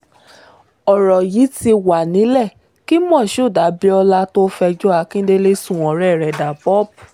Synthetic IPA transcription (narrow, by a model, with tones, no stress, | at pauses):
ɔ˨ɾɔ˨ji˨˦ti˧wa˨nĩ˨˦lɛ˦˨ | ki˦mɔ̃˦˨ʃo˦˨da˨˦bi˦ɔ˧la˦to˦fɛ˧d͡ʒo˦a˧kĩ˦de˦le˦sũ˦˨ɔ̃˨ɾɛ˦˨ɾɛ˨da˨pɔ˦p̚